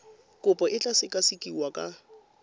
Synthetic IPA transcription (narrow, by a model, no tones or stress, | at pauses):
kʼʊpʼɔʔɪt͡ɬʼasɪkʼasikʼiwakʼa